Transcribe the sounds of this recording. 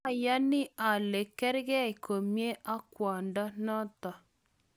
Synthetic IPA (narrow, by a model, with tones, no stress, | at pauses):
ja˦nɪ˦ʔa˨le˨kɛ˦ɾɣɛ˦ɪ˨ko˨mje˦ʔa˦kwa˨nda˦nɔ˦ta˨